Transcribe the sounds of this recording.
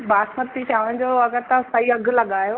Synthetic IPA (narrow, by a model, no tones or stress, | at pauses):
baːsmət̪ːit͡ɕʰaːʋəɽ̃d͡ʑoːɐɡəɾt̪aʊsaiɐɡʱlɐɠaːjoː